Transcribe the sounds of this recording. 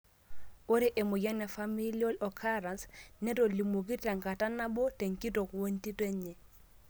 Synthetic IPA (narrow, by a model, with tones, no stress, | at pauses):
o˦ɾi˦ʔe˨mu˨ja˦nɛ˨fa˦mi˦lio˦lɔ˨kʰa˦ɾa˨nsnɛ˦to˨li˨mo˨k̬i˦ta˨ŋka˨ta˦na˦bo˦te˨ŋki˦to˨kwo˦nti˦te˦ɲe˨